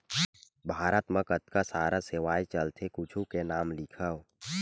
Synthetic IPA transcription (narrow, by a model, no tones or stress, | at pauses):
bʱaːɾət̪məkət̪kasaːɾaseʋaːjt͡ʃəlt̪ʰekʊt͡ʃʰukenaːmlɪkʰəʋ